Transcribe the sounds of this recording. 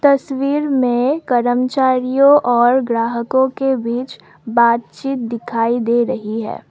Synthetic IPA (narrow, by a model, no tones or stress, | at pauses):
t̪ɐswiːɾmẽkɐɾəmt͡ʃaːɾijõʔɔːɾɡɾaːɦəkõkebiːt͡ʃ | baːt̪̚t͡ʃiːt̪̚d̪ɪkʰaːid̪eːɾɐɦiɦɛ̰ː